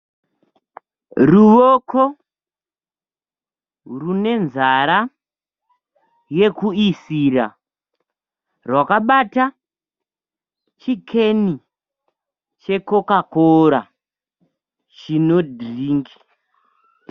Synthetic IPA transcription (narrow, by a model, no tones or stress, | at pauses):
ruʋokʰo | rune̞nzaɾa | je̞kuisiɾa | rwakaɓata | t͡ʃikʰe̞ni | t͡ʃe̞ko̞kakoɾa | t͡ʃino̞driːŋɡi